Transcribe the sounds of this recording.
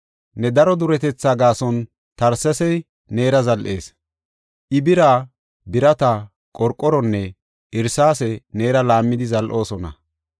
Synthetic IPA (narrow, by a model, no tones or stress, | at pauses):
nɛd̪ɐɾɔd̪ʊɾɛt̪ɛt͡sːaːɡaːsɔn | t̪ɐɾsɐsɛj | ne̞ːɾɐzɐlʔe̞ːs | ʔɪbɪɾaː | bɪɾɐt̪ɐ | kʼɔɾkʼɔɾɔnːɛ | ʔɪɾsaːsɛne̞ːɾɐlaːmːɪd̪ɪzɐlʔo̞ːsɔnɐ̰